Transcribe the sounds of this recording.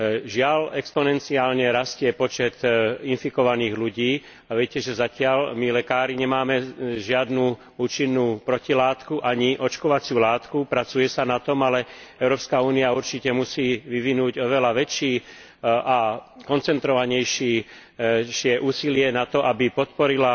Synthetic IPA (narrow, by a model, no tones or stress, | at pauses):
ʒɪalɛkspɔnɛnt͡siaːlɲɛɾascɪɛpɔt͡ʃɛt̪infikɔʋaniːɣluɟiː | aʋɛcɛʒɛzacɪalmilɛkaːɾiɲɛmaːmɛʒɪad̪nuː | uːt͡ʃinːuːpɾɔcilaːt̪kuʔaɲiʔɔt͡ʃkɔʋat͡sɪuːlaːt̪kupɾat͡sujɛsanat̪ɔmalɛɛʊɾɔːpskauːniauɾt͡ʃicɛmusiːʋiʋinuːɟɔʋɛlaʋɛt͡ʃiː | akɔnt͡sɛnt̪ɾɔʋaɲɛjʃiː | ʃɪɛʔuːsilɪɛnat̪ɔʔabipɔt̪̚pɔɾila